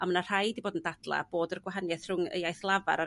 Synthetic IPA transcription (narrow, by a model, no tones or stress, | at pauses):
amənar̥ajdiboːdəndadlˠa̰b̥oːdərɡwaɦanjɛθr̥ʊŋə̰jajθlˠava̰ɾa